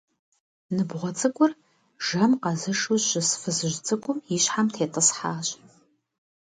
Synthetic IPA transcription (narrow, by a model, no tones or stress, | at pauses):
nɨbʁʷɔt͡sʼɨkʷʼʊr | ʒɐmqɑzɨʂuɕɪsfɨzɨʒt͡sʼɨkʷʼʊmiɕħamtʰeːtʼɨsħaːɕ